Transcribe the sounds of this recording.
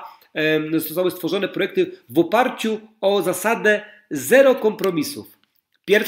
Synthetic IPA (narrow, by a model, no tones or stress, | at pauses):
zɔst̪awɘst̪fɔʐɔnɛpɾɔjɛk̚t̪ɘvɔpaɾt͡ɕuɔzasad̪ɛ | zɛɾɔkɔmpɾɔmʲisṵf | pʲjɛɾ